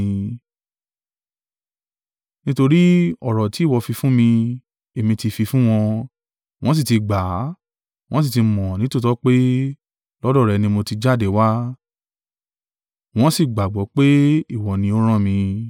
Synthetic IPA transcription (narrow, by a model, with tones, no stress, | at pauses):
nĩ˦to˧ɾi˦ɔ˦˨ɾɔ˨ti˨˦˨wɔ˧fi˧fũ˦mĩ˧ | e˨mĩ˧ti˧fi˧fũ˦w̃ɔ̃˧ | w̃ɔ̃˦s̬i˦˨ti˧ɡ͡ba˨˦ | w̃ɔ̃˦s̬i˦˨ti˧mɔ̃˨nĩ˨˦tu˦˨tɔ˦k͡pe˦ | lɔ˦dɔ˦˨ɾɛ˨˧nĩ˧mo˧ti˧d͡ʒa˦˨de˨wa˦ | w̃ɔ̃˦si˦˨ɡ͡ba˨ɡ͡bɔ˨˦k͡pe˦i˦˨wɔ˨nĩ˧o˦ɾ̃ã˦˨mĩ˧